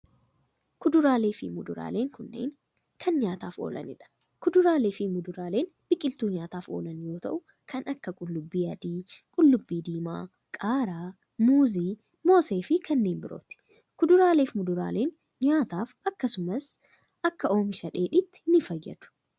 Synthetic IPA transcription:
kʊd̪ʊɾaːle̞ːfɪmʊd̪ʊɾa̰ːle̞ːŋkʊnːḛːŋ | kʰɐnɲaːt̪aːfo̰ːlɐ̰nɪ̰ᶑɐ̥ | kʊd̪ʊɾaːle̞ːfɪmʊd̪ʊɾaːle̞ːnb̥ɪkʼɪlt̪uːɲaːt̪aːfo̞̰ːlɐnjo̞ːt̪ɐ̰ʔʊ | kʰɐnɐkːɐkʼʊlːʊbːiːɐd̪iːkʼʊlːʊbːiːd̪iːma̰ː | kʼaːɾaː | muːziː | mo̞ːseːfɪkʰɐnːeːnbɪɾo̰ːt̪ɪ̥ | kʊd̪ʊɾaːle̞ːfmʊd̪ʊɾa̰ːle̞ːn | ɲaːt̪aːfɐkːɐsʊmɐs | ʔɐkːɐʔo̞ːmɪʃɐᶑe̞ːᶑɪt̪ːɪ̥nɪfɐjɛ̰d̪̥ʊ̥

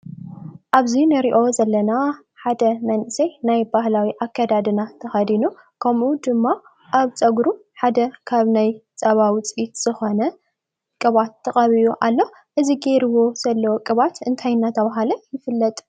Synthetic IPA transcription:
ʔaβzinɨɾiʔo̞zɐlːɐna | ħad̪ɐmɐnʔɨsɐjnajbahlawiʔakʰːɐd̪ad̪ɨnat̪ʰɐxɐd̪inu | kʰɐmud̪ɨmːa | ʔaβt͡sʼɐɡɾuħad̪ɐkʰaβnajt͡sʼɐβawt͡sʼʔit̪z̥ɨxo̞nɐ | kʼɨβat̪ʰːɐχʼɐβijuʔalːo | ʔɨziɡeɾɨwo̞z̥ɐlːɐwokʼɨβat̪ɨnt̪ʰajnat̪ʰɐβaɦalɐjɪfɨlːɐt̪ʼ

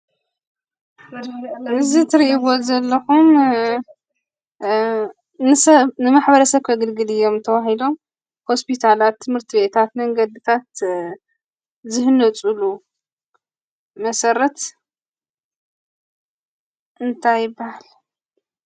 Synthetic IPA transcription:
ɨzit̪ʰɨɾiʔiβo̞zɐlːɐxum | nɨsɐβnɨmaħbɐɾɐsɐβkʰɐɡɨlɡɨlɨjːo̞mt̪ʰɐβaɦilo̞m | ho̞spʰit̪ʰalat̪ʰːɨmhɨɾt̪ʰiβbe̞t̪ʰat̪mɐŋɡɐd̪it̪ʰat̪ | zɨhɨnɐt͡sʼulu | mɐsɐɾɐt̪ | ʔɨnt̪ʰajːɪbːahal

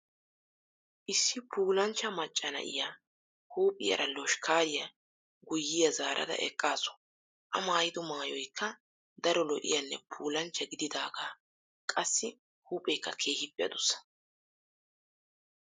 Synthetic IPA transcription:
ʔɪsːɪpʰuːlɐnt͡ʃːɐmɐt͡ʃʼːɐnɐ̰ʔɪ̰ja | huːpʼɪjɐ̰ɾɐlɔʃkʰaːɾɪjɐ | ɡʊjːɪjɐzaːɾʔɐ̰d̪ɐ̰ʔɛ̰kʼːaːsɔ̥ | ʔɐmaːjɪd̪ʊmaːjɔjkʰːɐ | d̪ɐɾɔlɔʔɪ̰jɐnːɛ̰pʰuːlɐnt͡ʃːɐɡɪd̪ɪd̪aːɡaː | kʼɐsːɪ | huːpʼːɛjkːɐkʰe̞ːhɪpʼːɪjɐ̰d̪ʊsːɐ̥

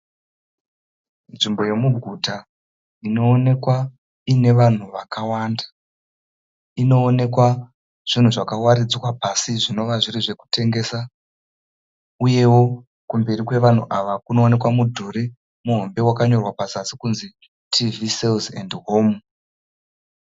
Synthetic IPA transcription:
nʐimbo̞je̞muɡʱuta | ino̞ːne̞kwa | ine̞ʋan̤uʋakawaːndḁ | ino̞ːne̞kwa | ʐ̥in̤uʐakawaɾid͡zwapasiʐino̞ʋaʐiriʐe̞ku̥te̞ŋɡe̞ːsa | uje̞wo̞ | kumbeɾikwe̞ʋan̤uʔaʋakuno̞ːne̞kwamudʱuɾe | muɦo̞mbe̞wakaɲo̞rwapazasikunzi | tʰiviselzendɦo̞ːm

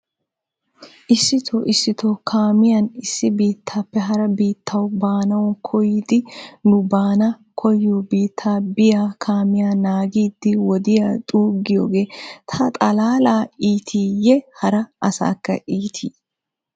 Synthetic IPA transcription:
ʔɪsːɪt̪ʰoʔɪsːɪt̪ʰokʰaːmɪjɐnɪsːɪbiːt̪ʰːaːpːɛɦɐɾɐbiːt̪ʰːɐwbaːnɐwʊnkʰɔjiːd̪ɪnʊbaːnɐ | kʰɔjobiːt̪ʰːaːbɪjaːkʰaːmɪjaːnaːɡiːd̪ːɪwɔd̪ɪjaːt̪ʼuːɡːɪjo̰ːɡeːt̪ʰɐt̪ʼɐlaːlaːiːt̪ʰiːjɛhɐɾɐʔɐsa̰ːkːɐ̰ʔiːt̪ʰiː

